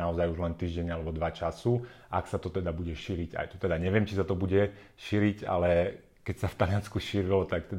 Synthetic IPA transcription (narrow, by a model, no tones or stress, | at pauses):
aɔzajuʒlɛnt̪iːʒɟɛɲalɛbɔd̪ʋat͡ʃasu | aksat̪ɔt̪ɛd̪abuɟɛʃiːɾiɟa̰jt̪u̥t̪ɛd̪aɲɛʋɪɛmt͡ʃisat̪ɔbuɟɛ | ʃiːɾiɟa̰lɛ | kɛcsaft̪alianskuʃiːɾilɔt̪akt̪ɛ